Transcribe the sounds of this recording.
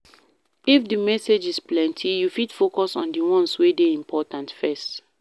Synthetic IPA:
ifdimɛsed͡ʒisplɛ̃ntʰijufidfokɔsɔ̰̃ndiwɔ̃nswedeĩmpʰɔtãntfɛst

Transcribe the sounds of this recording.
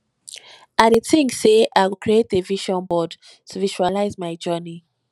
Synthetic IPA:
adetĩŋɡseʔaɪwukʰɹietdeviʃɔ̃nbɔd | tʰuviʃualaɪzmaɪd͡ʒɔni

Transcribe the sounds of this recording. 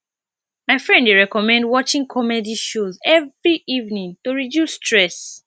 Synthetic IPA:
maɪfɹɛ̃ndweɹɛkɔmɛ̃ndwɔt͡ʃĩŋkʰɔmɛdiʃozɛvɹiʔivnĩŋtoɹidjustʰɹɛs

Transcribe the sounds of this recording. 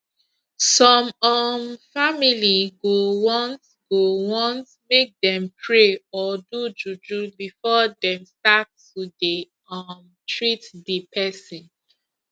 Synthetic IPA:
sɔ̃mɔnfamiliɡowɔ̃nt | ɡowɔ̃ntmek̚dɛ̃mpʰɹeɔdud͡ʒud͡ʒubifɔdɛ̃mstatː | ude | ɔn | tɹitdipʰɛsĩn

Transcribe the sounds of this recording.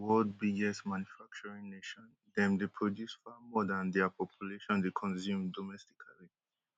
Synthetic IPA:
wɔld̚biɡɛstmãnjufak̚t͡ʃɔɹĩŋneʃɔ̃n | dɛ̃mdepʰɹɔdjusfamɔdãndɛapʰɔpʰjuleʃɔ̃ndekʰɔ̃nsjũmdɔmɛsti̥kʰaɹi

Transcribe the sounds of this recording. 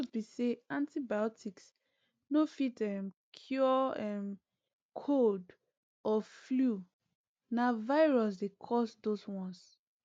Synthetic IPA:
sbiseãntibajɔtiks | nofitɛmkʰjɔɛ̃m | kʰod | ɔflu | navaɪɹɔs̬dekʰɔsdoswɔ̃ns

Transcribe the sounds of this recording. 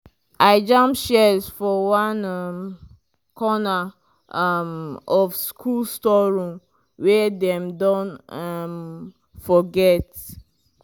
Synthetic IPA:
ʔaɪd͡ʒãmʃɛzfɔwãnam | kʰɔna | amɔfskʰulstɔɹɔ̃m | wɛdɛ̃mdõnam | fɔɡɛt

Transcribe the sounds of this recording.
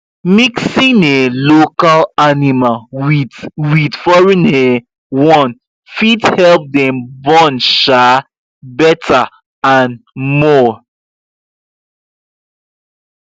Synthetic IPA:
miksĩnelokalanimawidwidfɔɹĩne | wɔ̃n | fidhɛlp̚dɛ̃mbɔnʃa | bɛtʰa | ãnmɔ

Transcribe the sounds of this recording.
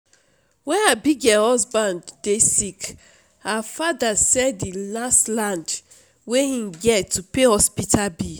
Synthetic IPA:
wɛ̃nabiɡahɔsbãndːesik | hafadasɛddilastlãnd | wehĩmɡɛtʰːupehɔspitʰabi

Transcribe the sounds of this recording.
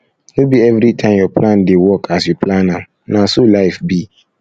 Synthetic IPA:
nubiɛvɾitʰãɪ̃mjɔplãndɪwɔkʰasjuplãnã | nãsolaɪfbi

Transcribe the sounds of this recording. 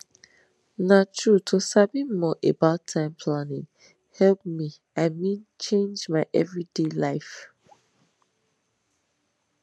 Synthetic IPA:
natʰɹutʰosabĩmɔʔebaʊtʰãɪ̃mpʰlanɪ̃ŋ | hɛlp̚mi | aɪmĩnt͡ʃẽnd͡ʒmaɪʔɛvɹidelaɪf

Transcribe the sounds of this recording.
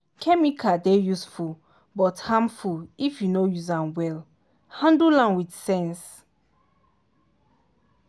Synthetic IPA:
kʰɛmikʰadejusful | bɔthãmfulifjunojuzãnwɛl | hãndulãnwidsɛ̃ns

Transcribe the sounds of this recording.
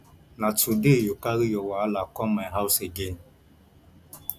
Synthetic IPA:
natudejukaɣijɔwalakɔmaɦawʊseɡem

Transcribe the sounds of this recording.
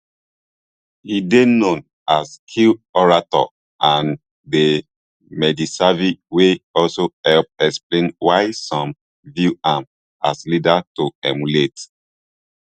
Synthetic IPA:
hidenõn | askʰilɔɹatɔ̰ | ãn | de | mɛdisaviweɔlsoɛlp̚ɛksplẽnwaɪsɔ̃m | vjuãm | aslidatoɛmulet

